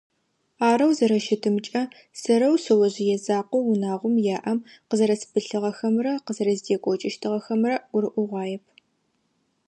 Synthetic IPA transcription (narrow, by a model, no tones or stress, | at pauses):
aːɾɐwzɐɾɐʃɪtʰɨmt͡ʃʼɐ | sɐɾɐwsɨwɐʑɪjɛzaːqʷɔwʊnaːʁʷʊmjaːʔɐmqəzɐɾɐsbɨɬɨʁɐxɐmrɐqəzɐɾɐzdeːkʷʼɔt͡ʃʼɪʃtʰɨʁɐxɐmrɐɡʷʊɾɨʔʷʊʁʷɑːjɛpʰ